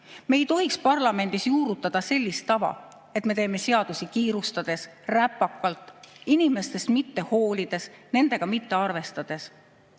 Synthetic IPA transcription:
me̞jt̪o̞ɦikspɑrlɑme̞nd̪̥isjuːɾut̪ːˑɑd̪̥ɑse̞lʲːist̪ɑvɑ̰ | e̞t̪me̞t̪e̞ːme̞se̞ɑd̪̥usikiːɾust̪ɑd̪̥e̞sræpːɑkːˑɑlt̪ːˑinime̞st̪e̞st̪mit̪ːe̞ho̞ːlʲid̪̥e̞sne̞nd̪e̞ɡ̥ɑmit̪ːe̞ɑrve̞st̪ɑd̪̥e̞s

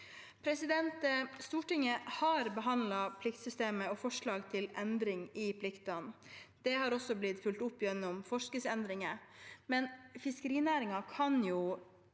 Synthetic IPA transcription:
pʰɾɛsɪd̪ɛnt̪əst̪uːʈɪŋːəhɑːɾbəɦɑnd̪lɑpʰlɪkt̪sʏst̪eːməɔfɔʂɭɑːɡt̪ʰɪlɛnd̪ɾɪŋɪpʰlɪkt̪ɑnd̪̥ɛhɑːɾɔsːɔblɪt̪fʉlt̪ʊpːjɛnːɔmfɔʂnɪŋsɛnd̪ɾɪŋəmɛnfɪskəɾiːnæːɾɪŋɑkʰɑnjuː

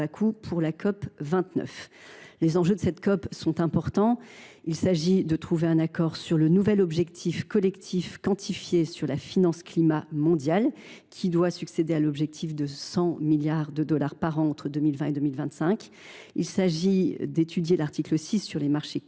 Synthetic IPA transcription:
akʰupʰuʁlakʰɔpvɛ̃t̪nœ̰flezɑ̃ʒød̪əsɛt̪kɔpsɔ̃t̪ɛ̃pɔʁt̪ɑ̃ilsaʒid̪ət̪χuveɛ̃nakɔʁsyʁlənuvɛlɔbʒɛkt̪ʰifkɔlɛkt̪ʰifkɑ̃t̪ʰifjesyʁlafinɑ̃sklimamɔ̃d̪jal | kʲʰid̪wasyksed̪ealɔbʒɛk̚t̪ʰifd̪əsɑ̃miljaʁd̪əd̪ɔlaʁpaʁɑ̃ːt̪χəd̪ømilvɛ̃ed̪ømilvɛ̃t̪sɛ̃kʲ | ḭlsaʒid̪et̪ʰyd̪jelaʁt̪ikləsisːyʁlemaʁʃe

